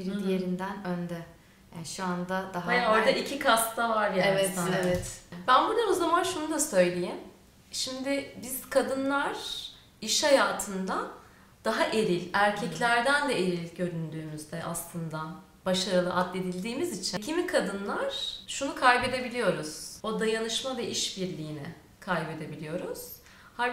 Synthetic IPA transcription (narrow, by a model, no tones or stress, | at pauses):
biɾind̪ijeɾind̪ænønd̪ɛ | jaʃuand̪ad̪aɦaaoɾd̪aicʰikʰast̪t̪avaɾjaevɛaevɛt̪bænbud̪aozamanʃunud̪asø̞jlʲejim | ʃimd̪ɪbiz̥kʰad̪ɯnlˠaɾ̥ | iʃhajaːt̪ʰɯnd̪a | d̪̥aɦaʔeɾilʲæɾcʰɛclʲæɾd̪ænd̪ɛe̞ɾilʲɟø̞ɾynd̪yːmyzd̪ɛʔaslˠɯnd̪a | baʃaɾɯlˠɯ̰ʔad̪lʲe̞d̪ilʲd̪iːmizit͡ʃʰicʰimikʰad̪ɯnlˠaɾ̥ʃunukʰajbe̞d̪e̞bilʲijo̞ɾuz̥o̞d̪ajanɯʃmavɛʔiʃbiɾlʲijːnɪ̰ | kʰajbe̞d̪e̞bilʲijo̞ɾuz̥ | ha